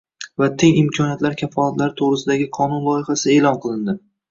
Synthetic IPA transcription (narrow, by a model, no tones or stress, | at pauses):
vat̪ʰeŋɪmkʲʰɒnijat̪laɾkʲʰafːɒlˠat̪laɾt̪ʰoʁɾɪsɪd̪aɡʲɪqʰɒnʊnlˠɒjɪχasɪe̞ːlˠɒnqʰɨlˠɪnd̪ɪ